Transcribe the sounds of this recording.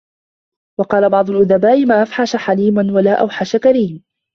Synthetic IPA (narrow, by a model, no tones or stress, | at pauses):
wɑqɑːlabɑʕd̪ˤʊlʔʊðabaːʔɪmaːʔafħaʃaħaliːmanwalaːʔa̰wħaʃakaɾiːm